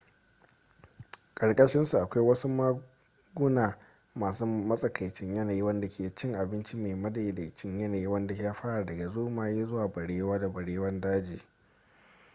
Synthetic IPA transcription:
kʼɐ˨ɽkʼɐ˦ʃɪ˦nsu˨ʔa˨kʷa˦jwɐ˦su˦maː˦ | ɡʊ˦naː˨ | maː˨su˦mɐ˦sʼɐ˨kʰɐ˨jt͡ʃɪ˦ɲjɐ˦naː˨ji˦wɐ˦nda˨kʰʲeː˨˦t͡ʃɪ˦ŋʔa˨bɪ˦nt͡ʃi˦me˨mɐ˦da˨da˨t͡ʃɪ˦ɲjɐ˦naː˨ji˦wɐ˦nda˨jaː˦ɸaː˦ɽa˨dɐ˨ɡa˨zoː˦maː˨jeː˦zʊ˦waː˨bɐ˨ɽeː˦waː˦da˨bɐ˨ɽeː˦wɐ˦ndaː˦d͡ʒiː˨

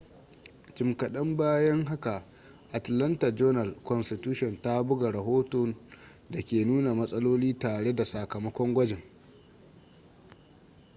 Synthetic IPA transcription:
t͡ʃɪ˨mkɐ˨ɗɐ˦mbaː˦jɐ˦ŋɦa˦ka˨ʔ | ʔa˨tlɐ˦ntɐ˨d͡ʒɔː˦nɐ˨lkʷɔ˨nstɪ˨tuː˦ʃɔ˨nta˦bʊ˦ɡa˨ɽɐ˨ɦoː˦to˨n | da˨kʲeː˨nuː˦na˨mɐ˦sʼɐ˦loː˦liː˦taː˨ɽe˦da˨sa˨kɐ˨mɐ˦kʷɔ˦ŋɡʷɐ˦d͡ʒɪ˨ŋ

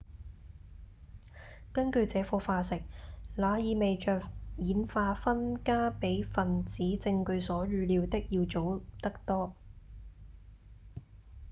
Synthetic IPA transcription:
kɐ˥nkɵ˧ɥt͡sɛː˨˥fɔː˧faː˧sɪ˨k̚laː˨˧jiː˨me˨jt͡ʃœː˨kjiː˨˥nfaː˧fɐ˥nkaː˥pe˨˥jfɐ˨nt͡siː˨˥t͡sɪ˧ŋkɵ˧ɥsɔː˨˥ɥyː˨˧liː˨˧wt̪ɪ˥k̚jiː˧wt͡ʃo˨˥wt̪ɐ˥k̚t̪ɔː˥

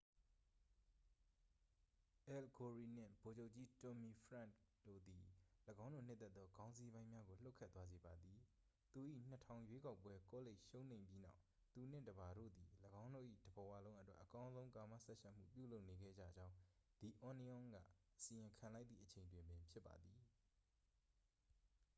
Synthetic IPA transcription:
ʔɛ˨lɡo˨ɹi˨n̥ɪ̰̃˦˨bo˨d͡ʑo˦ʊʔt͡ɕi˦tɔ˨mi˨pʰɹã˦˨d̥o̰˦˨d̪i˨ləɡã˦ʊ̃ndo̰˦˨n̥ɪ˦t̪ːɛ˦t̪ːðɔ˦ɡã˦ʊ̃nzi˦bã˦ɪ̃mja˦ɡo˨l̥o˦kʰːɛ˦t̪ːwa˦ze˨ba˨d̪i˨ | t̪u˨ʔḭ˦˨n̥ətʰã˨ʊ̃jwe˦ka˦ʊpwɛ˦ko˦le˦ɪʔʃõ˦ʊ̃n̥ẽ˨ɪ̃mpji˦na̰˦ʊ | t̪u˨n̥ɪ̰̃˦˨də˨ba˨ɾo̰˦˨d̪i˨ləɡã˦ʊ̃ndo̰˦˨ʔḭ˦˨dəbə˨wa˦lõ˦ʊ̃ʔə˦twɛ˦ʔəkã˦ʊ̃zõ˦ʊ̃ŋka˨mä̰˦˨sɛ˦ʔʃʰa˦m̥ṵ˦˨p̬jṵ˦˨lo˦ʊʔne˨ɡɛ̰˦˨d͡ʑa̰˦˨d͡ʑã˦ʊ̃d̪̥i˨ʔɔ˨ni˦ʔɔ̃˦ŋɡä̰˦˨ʔəsi˨ʔɪ̃˨ŋkʰã˨la˦ɪt̪ðḭ˦˨ʔət͡ɕʰẽ˨ɪ̃ndwɪ̃˨mbɪ̃˨pʰjɪ˦pːa̰˨d̪i˨

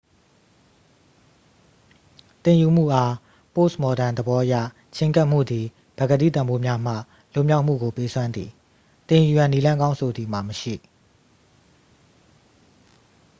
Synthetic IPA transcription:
t̪ɪ̃˨ju˨m̥ṵ˦˨ʔa˦ | po˦˨smɔ˨ɾã˨nd̪ə˨bɔ˦ʔja̰˦˨ | t͡ɕʰɪ̃˦ŋka˦ʔm̥ṵ˦˨d̪i˨ | b̥ɛ˨ɡə˨dḭ˦˨t̪ã˨mbo˦mja˦m̥ä̰˦˨ | lʊ̃˦˨mja˦ʊʔm̥ṵ˦˨ɡo˨pe˦sʰwã˦nd̪ðḭ˨ | t̪ɪ̃˨ju˨jã˨ni˦lã˦ŋɡã˦ʊ̃nsʰo˨d̪ði˨m̥a˨məʃḭ˦˨

